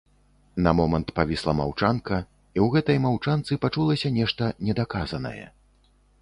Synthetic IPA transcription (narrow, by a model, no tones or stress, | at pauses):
nɐmɔmɐnt̪pavʲislˠɐma̰wt͡ʂankɐ | iwɣɛt̪ɐjmawt͡ʂant̪sɨpat͡ʂulˠɐsʲɐnʲɛʂt̪ɐnʲɛd̪akazɐnɐ̰jɛ̰